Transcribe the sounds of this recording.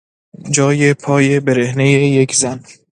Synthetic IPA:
d͡ʒɒːjepʰɒːjebeɾehnejeje̞kʰzæn

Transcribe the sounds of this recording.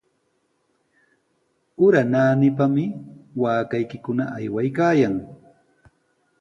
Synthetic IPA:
ʊɾanaːnɪp̬amɪwaːkajkɪkʊnaʔajwajkaːjaŋ

